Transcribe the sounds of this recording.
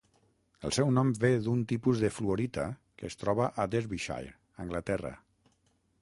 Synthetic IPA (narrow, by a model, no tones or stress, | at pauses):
ə̰lˠsɛwnɔmbeðunt̪ipuzðəfluoɾit̪a | kəːst̪ɾɔβ̞aʔad̪ezβiʃa̰jɾ | əŋɡlət̪ɛrə̰